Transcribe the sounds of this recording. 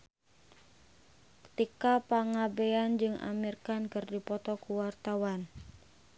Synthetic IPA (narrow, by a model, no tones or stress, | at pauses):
kə̥t̪ikapaŋabeand͡ʒɨŋa̰mirkankɨrdipɔt̪ɔkuwart̪awan